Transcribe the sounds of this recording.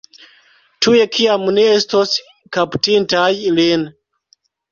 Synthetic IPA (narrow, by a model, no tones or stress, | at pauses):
tuje̞kʰiamneestos | kaptintajlin